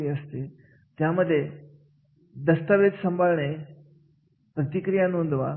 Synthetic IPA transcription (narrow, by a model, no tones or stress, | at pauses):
iəst̪e | t̪jãːməd̪ʱje | d̪ɐst̪əʋed͡ʒsə̃mbʱalɳ̃e | pɾət̪ikɾijanõːnd̪ʋa